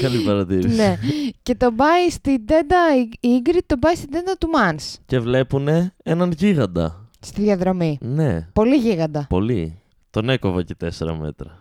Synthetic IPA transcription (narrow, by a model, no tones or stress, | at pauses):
kɐlipɐɾɐt̪iɾinece̞t̪o̞bɐist̪id̪e̞nd̪ɐiiɡɾit̪o̞bɐist̪ind̪e̞nd̪ɐt̪umɐnsce̞vle̞pune̞enɐnʝiɣɐnd̪ɐ̰st̪iðjɐðɾo̞mine̞̰po̞liʝiɣɐnd̪ɐpo̞li | t̪o̞ne̞ko̞vɐce̞t̪e̞seɾɐ̰me̞̰t̪ɾɐ